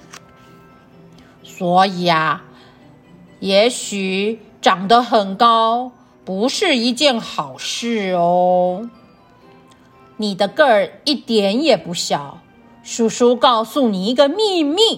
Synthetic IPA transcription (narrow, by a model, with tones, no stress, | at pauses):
swɔ˧˥i˨˩a˧ | jɛ˧˥ɕy˨˩ʈ͡ʂɑ˨˩ŋd̪ə˦xə˨˩nkɑ˥ʊ | pu˧˥ʂɻ̩˥˧i˧˥t͡ɕjɛ˥˩nxɑ˨˩ʊʂɻ̩˥˩o˧˦ | ni˨˩d̪ə˦kə˥˩i˥˩t̪jɛ˨˥˦njɛ˨˩pu˧˥ɕjɑ˨˩˦ʊ | ʂu˨˩ʂu˥kɑ˥˧ʊsu˥˩ni˨˩i˧˥ɡə˧mi˥˧mi˥˩